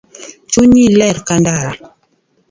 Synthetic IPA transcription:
t͡ʃuɲilɛɾkandaɾa

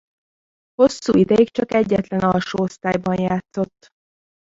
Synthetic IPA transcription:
ho̞sːṵːid̪ɛjikt͡ʃɒkɛɟːɛt̪lɛnɒlʃoːost̪aːjbɒnjaːt̪so̞t̪ː

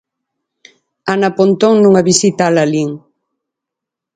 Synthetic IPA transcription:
anapont̪oŋnuŋɐβisit̪aːlaliŋ

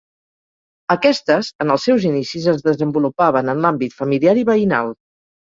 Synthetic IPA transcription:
əkɛst̪əzənəlˠsɛwzinisizəzðəzəmbulupaβənənlambit̪fəmiliaɾiβəina̰lˠ

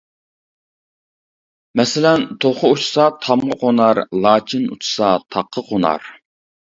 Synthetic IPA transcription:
mɛsɪlɛnt̪ʰoχəut͡ʃʰsɑt̪ʰɑmʁəqonɑɾlˠɑːt͡ʃʰinṵt͡ʃʰu̥sɑt̪ʰɑqʰːəqʰonɑ̰ɾ

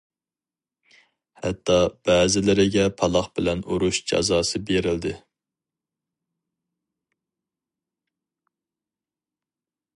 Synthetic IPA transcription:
hɛ̰t̪ʰːɑb̥ɛːzɪlɪɾɪɡʲɛpʰɑlˠɑχbɪlɛnuɾuʃd͡ʒɑ̰zɑːsɨbeɾɪld̪ɪ

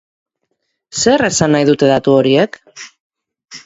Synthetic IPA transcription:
se̞ɾe̞sanːajðut̪e̞ðat̪uo̞ɾie̞k

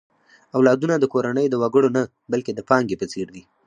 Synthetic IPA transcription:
awlɑd̪unad̪əkoɾanəjd̪əwaɡəɽona | balked̪əpɑŋɡepət͡seɾd̪i

